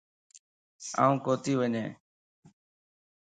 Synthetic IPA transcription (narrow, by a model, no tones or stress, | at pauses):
a̰ːũːkoːt̪iːʋəɲḛ̃ː